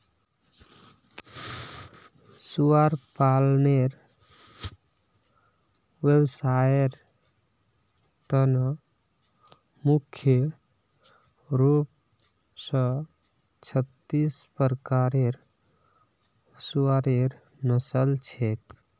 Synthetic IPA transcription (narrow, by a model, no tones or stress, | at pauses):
suaɾpalneɾ | websaeɾ | t̪ənə | mukʰjə | ɾup̚ | sɔ | t͡ʃʰət̪ːispəɾkaɾeɾ | suaɾeɾ | nəsəlt͡ʃʰek